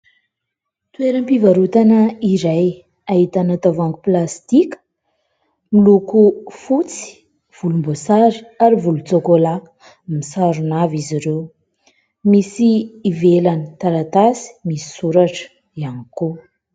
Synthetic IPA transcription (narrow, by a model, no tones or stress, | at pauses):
t̪ueɾəmpivaɾut̪anəiɾaj | aɦit̪anat̪avaŋku̥plast̪ikə̥ | milukufut͡si̥ | v̥ulumbosaɾiaɾivulut͡sokolak | misaɾunaviziɾew | misiːvelanit̪aɾat̪asi̥misi̥suɾaʈ͡ʂə̥ | ianiko